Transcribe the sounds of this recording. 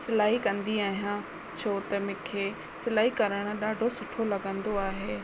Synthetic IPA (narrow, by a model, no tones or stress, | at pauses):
sɪlaːɦikɐ̃nd̪iaːɦijã | t͡ɕʰoːt̪ɐmɪ̃kʰeː | sɪlaːɦikɐɾəɽ̃̆ɗaːɖʱosʊʈʰolɐɠə̃nd̪oaːɦeː